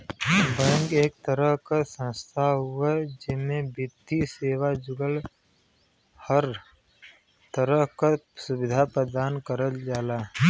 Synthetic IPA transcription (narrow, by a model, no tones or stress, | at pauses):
bə̃ŋɡeːk̚t̪əɾəɦkasə̃nst̪ʰaɦʊed͡ʒɪmebɪt̪ːiseːwad͡ʒʊɡəl | həɾ | t̪əɾəɦkasʊbɪd̪ʱapɾəd̪aːnkəɾəld͡ʒaːlaː